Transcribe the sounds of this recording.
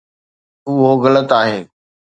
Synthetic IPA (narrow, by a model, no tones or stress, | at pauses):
uɦoɣɐlət̪aːɦeː